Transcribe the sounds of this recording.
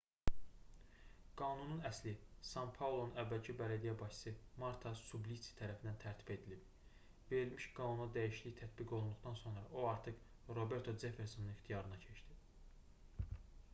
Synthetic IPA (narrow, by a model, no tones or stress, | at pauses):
ɡ̥ɑːnununæslisɑmpʰɑlˠo̞nunævːælcʰibælæd̪ijæbɑʃsɯmɑɾt̪ʰɑsublisi̥t̪ʰæɾæfind̪ænt̪ʰæɾt̪ʰi̥be̞d̪ilib | ve̞ɾilmiʃɡ̥ɑːnunɑd̪æjiʃliçt̪ʰæt̪biɡo̞lˠund̪uχt̪ɑnso̞nɾɑoɑɾt̪ʰɯχ | ɾo̞be̞ɾt̪ʰod͡ʒe̞feɾso̞nuniχt̪ʰijɑɾɯnɑcʰe̞t͡ʃd̪i